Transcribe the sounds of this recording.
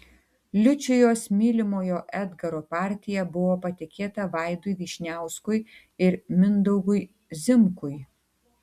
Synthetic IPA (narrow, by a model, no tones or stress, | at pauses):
lʲʊt͡ʃʲʊjoːsmʲiːlʲɪmoːjoːʔæd̪ɡɐɾoːpɑːˑɾʲt̪ʲɪjɛbʊʋoːpɐt̪ʲɪkʲeːt̪ɐʋɑˑɪd̪ʊjʋʲiːʃʲnʲæˑʊskʊj | ɪɾmʲɪnd̪ɔʊɡʊj | zʲɪmkʊj